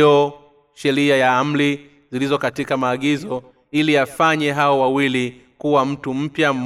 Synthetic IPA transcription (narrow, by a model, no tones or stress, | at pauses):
ɔ | ʃɛɾiajaam̩li | zilizɔkatikamaːɠizɔ | iliafaɲɛɦaɔwawili | kuwam̩tum̩pjam̩